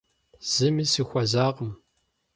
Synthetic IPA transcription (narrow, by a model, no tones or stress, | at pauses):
z̥ɨmisixʷɐzaːʁəm